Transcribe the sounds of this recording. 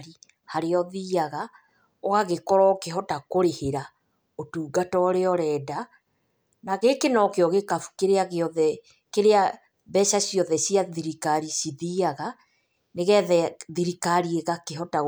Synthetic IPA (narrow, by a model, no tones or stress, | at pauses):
ɾi | haɾeɔðiaɣa | ɔɣaɣekɔɾɔkeɦɔtakoɾeheɾa | otuːɡatɔɾeɔɾɛːda | naɣekenɔkeɔɣekafu̥keɾeaɣeɔðɛ | keɾea | bɛʃaɕijɔðɛsiaðiɾikaɾisiðiːaɣa | neɣɛðɛðiɾikaɾieɣakeɦɔta